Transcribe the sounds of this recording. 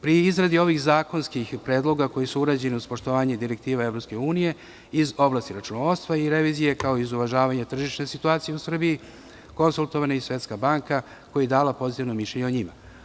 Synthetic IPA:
pɾiizɾad̪io̞ʋixzaːko̞nskixpɾeːd̪lˠo̞ɡako̞jisuuɾaːd͡ʑe̞niuspo̞ʃt̪oʋaːɲed̪iɾe̞k̚t̪iːʋaevɾo̞pske̞uːnije̞ | izo̞blˠaːst̪iɾat͡ʃunoost̪ʋaiɾe̞ʋiːzije̞kao̞izuʋaʒaːʋaɲat̪r̩ʒiʃne̞sit̪uaːt̪sije̞usr̩biji | ko̞nzulˠt̪oʋanaisʋe̞t̪skabaːŋka | ko̞jad̪aːlapo̞zit̪iʋnomiʃʎeɲeoɲima̰

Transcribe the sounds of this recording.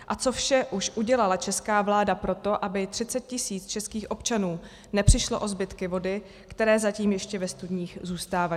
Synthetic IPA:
ʔat͡so̞fʃɛʔuʃʔuɟɛlalat͡ʃɛskaːvlaːdapɾo̞t̪o̞ʔabɪt̪r̝̥ɪt͡sɛt̪̚cɪsiːt͡st͡ʃɛskiːxʔo̞pt͡ʃanuː | nɛpr̝̥ɪʃloʔo̞zbɪt̪kɪvo̞dɪ | kt̪ɛɾɛːzaciːmjɛʃcɛvɛst̪udɲiːxzuːst̪aːva

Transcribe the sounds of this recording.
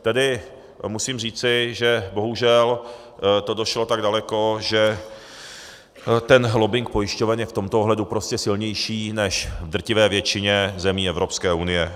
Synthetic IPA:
t̪ɛdɪ | musiːmriːt͡sɪʒɛboɦuʒɛl | t̪odoʃlot̪aɡdalɛkoʒɛ | t̪ɛnlobɪŋk̚po̞jɪʃcovɛnjɛft̪o̞mt̪ooɦlɛdupɾoscɛsɪlɲɛjʃiːnɛʃvd̪r̩cɪvɛːvjɛt͡ʃɪɲɛzɛmiːɛvɾo̞pskɛːʔunɪjɛ

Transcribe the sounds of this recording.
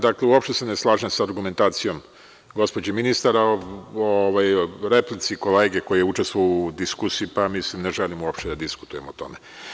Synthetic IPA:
d̪akleuopʃt̪eseneslˠaːʒemsaːɾɡume̞nt̪aːt̪sijo̞m | ɡo̞spo̞d͡ʑeminist̪aɾaooʋajɾe̞plit̪siko̞leːɡe̞ko̞jijeut͡ʃest̪ʋoud̪iskusiipamislimneʒelimuopʃt̪ed̪ad̪isku̥t̪uje̞mot̪o̞̰me̞

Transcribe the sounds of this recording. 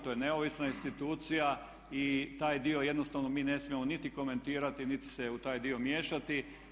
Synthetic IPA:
t̪ojene̞oʋisnainst̪it̪uːt̪sija | it̪aːjd̪io̞je̞d̪no̞st̪aʋno̞miːne̞smiemonit̪iko̞me̞nt̪iːɾat̪init̪i̥seut̪aːjd̪io̞mje̞ːʃat̪i

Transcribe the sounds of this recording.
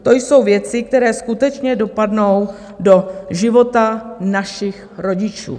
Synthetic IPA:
t̪o̞jso̞wvjɛt͡sɪk̚t̪ɛɾɛːskut̪ɛt͡ʃɲɛdo̞padno̞w | do̞ʒɪvo̞t̪anaʃɪx | ɾo̞ɟɪt͡ʃṵː

